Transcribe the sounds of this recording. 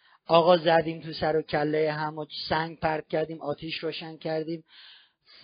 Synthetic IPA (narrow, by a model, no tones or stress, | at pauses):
ɒːɣɒːzæd̪iːmt̪ʰusæɾocʰælːejeɦæmosæŋɡpæɾd̪̥̚cʲʰæɾd̪iːmɒːt̪ʰiːʃɾoːʃæncʰæɾd̪iːm